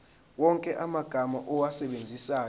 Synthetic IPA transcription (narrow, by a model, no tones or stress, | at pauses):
wɔŋkʼɛʔamaɡ̥ʱamaʔɔwasɛɓend͡zʱisaː